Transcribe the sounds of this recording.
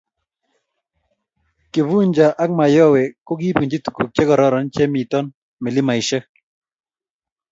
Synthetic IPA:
ke˨vu˦ɲd͡ʒa˨ʔa˦k̚ma˨jɔ˦wɛ˨ko˦ɡi˦pi˨ɲd͡ʒi˦t̪u̥˨ku˨k̚t͡ʃɛ˦kɔ˨ɾɔ˦ɾɔ˨˦nt͡ʃɛ˦mi˨t̪ɔ˦n | mɪ˨lɪ˦ma˨ɪ˨ʃɛ˦

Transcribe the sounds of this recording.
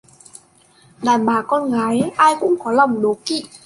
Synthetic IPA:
ɗaː˨˩nɓaː˨˩˦kɔ˧nɣaː˨˦jʔaː˧jkʊ̰˧˥ŋ͡mkɔ˨˦la˨˩wŋ͡mɗo˨˦kḭ˧˨

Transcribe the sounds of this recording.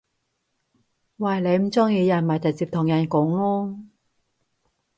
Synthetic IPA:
waː˨˩jle˨˧jm̩˨˩t͡sɔː˥ŋjiː˨˧jɐ˨˩nma˨˩t͡sɐ˨˩t͡siː˧p̚t̪ʰʊ˨˩ŋjɐ˨˩nkʊ˨˥ŋlɔː˥

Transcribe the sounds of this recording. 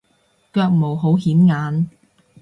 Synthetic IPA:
kœː˧k̚mo˨wɦo˨˥wɦiː˨˥mŋaː˨˧n

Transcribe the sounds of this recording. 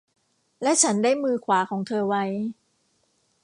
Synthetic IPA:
lɛ˦˥ʔt͡ɕʰa˦˥ndaː˥˩jmɯː˧kʰwaː˩˦kʰɔː˩˦ŋt̪ʰɤː˧wa˦˥j

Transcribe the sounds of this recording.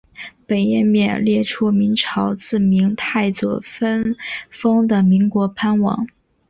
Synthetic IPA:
pe˨˩ɪjɛ˥˩˧nmjɛ˥˩nljɛ˥˩ʈ͡ʂʰu˥mi˧˥nʈ͡ʂʰɑ˧˥ʊt͡sɹ̩˥˩mi˧˥ŋt̪ʰa˥˩ɪt͡swɔ̰˨˩fə˥nfɤ˥ŋd̪ə˨mi˧˥ŋkwɔ˧˥pʰa˥nwɑ̰˨˩˦ŋ

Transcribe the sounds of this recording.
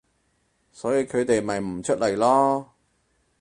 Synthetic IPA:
sɔː˨˥jiː˨˧kʰɵ˨˧ɥt̪e˨jmɐ˨jm̩˨˩t͡ʃʰɵ˥t̚lɐ˨˩jlɔː˥

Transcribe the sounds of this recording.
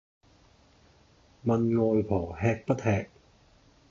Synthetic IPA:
mɐ˧nŋɔː˨˧jpʰɔː˨˩hɛː˧k̚pɐ˥t̪̚hɛː˨˧k̚

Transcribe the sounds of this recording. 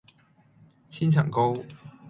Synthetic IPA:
t͡sʰiː˥nt͡sʰɐ̰˨˩ŋko˥w

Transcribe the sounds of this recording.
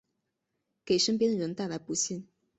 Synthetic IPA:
ke˨˩ɪʂə˥np̬jɛ˥nd̪ə˨ɻə˧˥nt̪a˥˩la˧˥ɪpu˧˥ɕi˥˩n

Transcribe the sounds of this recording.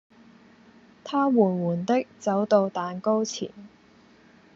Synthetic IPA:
t̪ʰaː˥wuː˨˩nwuː˨˩nt̪ɪ˥k̚t͡sɐ˨˥wt̪o˧wt̪aː˨nko˥wt͡sʰḭː˨˩n

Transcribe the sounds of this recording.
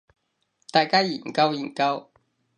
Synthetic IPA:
t̪a˥˧˨jka˥ji˨˩ŋka˦˥wi˨˩ŋka˦w

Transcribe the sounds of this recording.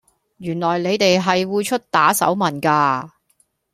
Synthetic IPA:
jyː˨˩nlɔː˨˩jle˨˧jt̪e˨jɦɐ˨jwuː˨˧t͡ʃʰɵ˥t̚t̪aː˨˥sɐ̰˨˥wmɐ˨˩nkaː˧

